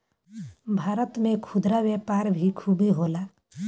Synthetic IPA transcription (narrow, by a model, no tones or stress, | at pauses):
bʱaːɾət̪mẽkʰʊd̪ɾaʋjəpaːɾbʱikʰubeɦoːlaː